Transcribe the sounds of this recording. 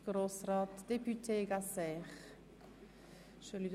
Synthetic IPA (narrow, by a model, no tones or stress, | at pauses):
ɡ̥ɾoːsraːtd̥epytʰeːɡasɛːχ | ʃølyd